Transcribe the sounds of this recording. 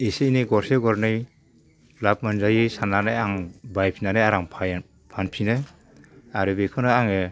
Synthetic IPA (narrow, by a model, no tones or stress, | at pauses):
eseineɡɔɾseɡɔɾnɯj | lap̚manzajɯsananajaŋbajpʰinanajaɾaŋpʰa | pʰanpʰinɯ | aɾɯbekʰɔnɯaŋe